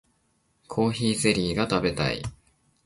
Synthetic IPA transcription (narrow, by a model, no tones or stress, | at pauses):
kʰo̞ːçiːse̞ɾʲiːɡat̪abe̞t̪a̰ḭ